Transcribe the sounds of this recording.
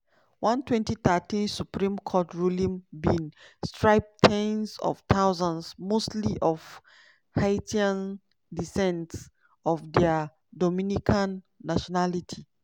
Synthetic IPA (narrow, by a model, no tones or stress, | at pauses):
wãntwɛ̃ntit̪atĩnsupɹĩmkʰɔtɹulĩmbĩnstɹaɪb̚tʰɛ̃nsɔ̰ft̪ʰaʊzãnsmostliʔɔv | haɪtãn | disɛ̃nts | ɔfdɛa | dɔmĩnikʰãnː | aʃɔnalitʰi